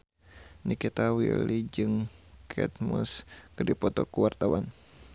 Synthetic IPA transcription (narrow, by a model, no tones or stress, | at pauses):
nikit̪awḭlid͡ʒɨŋkʰɛ̰t̪̚muskɨrdipɔt̪ɔkuwart̪awan